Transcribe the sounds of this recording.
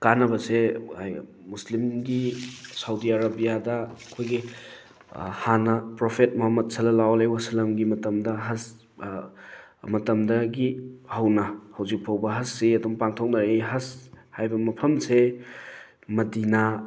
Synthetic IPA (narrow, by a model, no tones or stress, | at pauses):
kanɐbɐseaj | muslimɡisawdiaɾɐbijadɐːkʰojɡi | hanɐpɾopʰet̚mɔɦɐmːɐt̚sʰɐlɐlawlejwasilɐmɡimɐtɐmdɐɦɐs | mɐtɐmdɐɡihɐwnɐhɐwzik̚pʰawbɐɦɐsːiɐdɔŋpaŋtʰok̚nɐɾeɦɐshajbɐmɐpʰɐmse | mɐdina